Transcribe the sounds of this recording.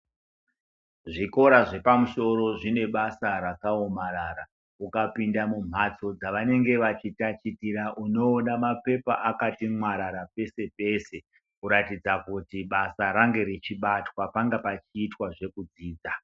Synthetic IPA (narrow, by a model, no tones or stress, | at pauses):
ʐiko̞ɾaʐe̞pamuʃo̞ɾo̞ʐine̞ɓasaɾakaomaɾaɾa | ukapindamum̤at͡so̞d͡zaʋane̞ŋɡe̞ʋat͡ʃitat͡ʃitiɾaʔuno̞ːnamape̞pa̰ʔakatimwaɾaɾape̞se̞pe̞ːse̞ | kuɾatid͡zakutiɓasaɾaŋɡe̞ɾit͡ʃiɓatwapaŋɡapat͡ʃiːtwaʐe̞kud͡ziːd͡za